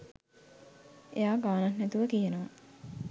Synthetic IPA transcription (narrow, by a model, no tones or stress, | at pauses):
ejaːɡaːnannɛt̪uʋəkijenoʋa